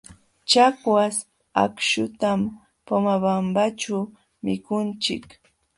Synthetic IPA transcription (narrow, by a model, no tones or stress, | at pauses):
t͡ʃakwas | a̰kʃʊt̪am | pomabambat͡ʃʊ | mɪkʊnt͡ʃɪ̰k